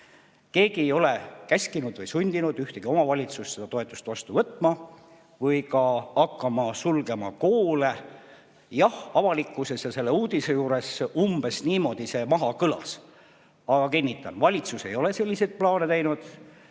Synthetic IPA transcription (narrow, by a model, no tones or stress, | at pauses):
ke̞ːɡ̥iejo̞le̞kæsʲkinud̪̥vɯjsunʲd̪̥inud̪yht̪e̞ɡ̥io̞mɑvɑlʲit̪sust̪se̞d̪ɑt̪o̞e̞t̪ːˑu̥st̪vɑst̪uvɤt̪ːˑmɑ | vɤjkɑɑkːɑmɑsulɡe̞mɑko̞ːle̞ | jɑhɑvɑlikːˑuse̞sjɑse̞lːe̞uːd̪̥ise̞juːɾe̞sumb̥e̞sniːmo̞d̪̥ise̞mɑɦɑkɤlɑ̰s | ɑɡ̥ɑkinʲːit̪ːˑɑ̰nvɑlʲit̪suse̞jo̞le̞se̞lʲːise̞d̪̥̚plɑːnet̪æjnud̪̥